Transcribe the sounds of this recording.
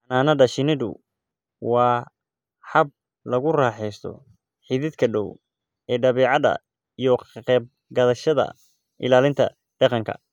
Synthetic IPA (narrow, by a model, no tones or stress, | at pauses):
ɐnaːnɐɖɐʃɪnɪðʊ̰ | wɑː | ħɐb̚ | lɐɣʊraːħɛjst̪ʰɔ̰ | ħiðɪd̪kʰɐɖɔw | ɛːɖɐβɛːʕɑðɐ̰ | ijɔqɛːb̚ | ɡɐðɐʃɐðɐ̰ | ʔɪ̰laːlɪnt̪ʰɐ̰ | ɖɑqɑŋkʰɐ̰